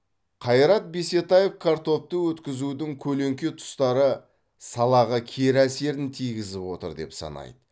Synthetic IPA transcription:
qʰɑjɾɑt̪̚be̞se̞t̪ɑje̞fkʰaɾt̪o̞ft̪əwɵt̪kʲɪzud̪ɪŋkʲʰɵle̞ŋkʲet̪ʰʊ̥st̪ɑɾə | sɑlˠɑʁəkʲʰe̞ɾæse̞ɾɪnt̪ʰijɡʲɪzɪpwo̞t̪ə̰ɾd̪e̞̰psɑ̰nɑ̰jd̪̥ə

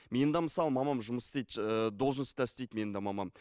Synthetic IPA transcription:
me̞nd̪ɑməsɑlˠmɑmɑmʒʊməst̪ejt̪əd̪olˠʒənst̪ʰæst̪ejtd̪me̞nd̪ɑmɑmɑm

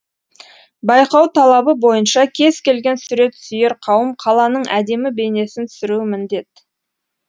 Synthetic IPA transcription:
bɑjqɑwt̪ʰɑlˠɑbəbo̞jənʃɑkʲʰe̞z̥kʲe̞lɡʲe̞nsʏɾe̞t̪sʏjɪɾqʰɑwəmqʰɑlˠɑnəɴʔæd̪e̞mɪbe̞ne̞sɪnt̪ʰʏ̥sɪɾuɪmɪnd̪e̞t̪̚

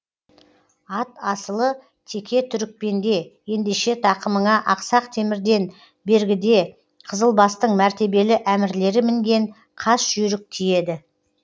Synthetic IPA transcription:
ɑt̪ɑsəlˠə | t̪ʰe̞kʲʰe̞t̪ʰʏɾɪk̚pe̞nd̪e̞je̞nd̪e̞ʃe̞t̪ʰɑqəməɴɑʔɑqsɑqt̪ʰe̞mɪɾd̪e̞n | be̞ɾɡʲɪd̪e̞ | qʰəzəlˠbɑst̪əɴmæɾt̪e̞be̞lɪʔæmɪɾle̞ɾɪmɪŋɡʲe̞ɴ | qʰɑsʒ̥ʏɾɪk̚t̪ʰije̞d̪ɪ

